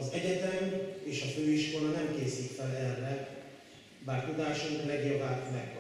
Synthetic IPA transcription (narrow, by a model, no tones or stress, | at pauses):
ɒzɛɟɛt̪ɛmeːʃɒføːiʃkolɒnɛmkeːsikfɛlɛrːɛ | baːrt̪ud̪aːʃoŋklɛɡiːlvaːmɛk